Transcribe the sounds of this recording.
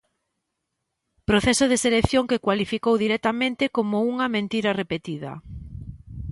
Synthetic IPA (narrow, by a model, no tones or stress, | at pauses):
pɾoθɛsʊðeselekθjoŋkekwalifikowðiɾɛt̪amẽnt̪ɪkomouŋɐmẽnt̪iɾɐrepet̪iðɐ̰